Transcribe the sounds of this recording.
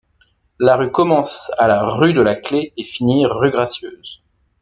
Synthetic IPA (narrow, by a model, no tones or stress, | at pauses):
laʁykɔmɑ̃salaʁyd̪əlakleefiniʁyɡʁasjøːz